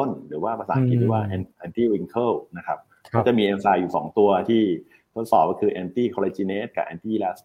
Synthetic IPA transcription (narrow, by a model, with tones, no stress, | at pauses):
o˥˩nɾɯː˩˦waː˥˩pʰa˧saː˩˦nkʰi˦t̪i˧˦˩waː˥˩ʔɛ˧nʔɛː˧nt̪iː˥˩wi˧ŋkʰɤ˥˩wna˦˥kʰa˦˥p̚ | kʰɔ˥˩t͡ɕa˨˩miː˧ʔe˧nsaː˧juː˨˩sɔ̰ː˩˦ŋt̪u˧ɐt̪ʰiː˥˩ | t̪ʰo˦˥t̪̚sɔː˨˩p̚kɔ˥˩kʰɯː˧ʔɛː˧nt̪iː˥˩kʰɔː˧lɛ˧t͡ɕi˧ne˦˥t̪̚ka̰˨˩ʔɛː˧nt̪iː˥˩lɛː˦˥s